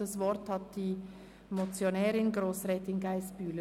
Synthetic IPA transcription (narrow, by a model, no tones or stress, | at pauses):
əsvɔɾthɑt̚d̥iː | mot͡sjonɛːɾɪnɡɾoːsʁɛːtɪŋɡaɪsb̥yːlə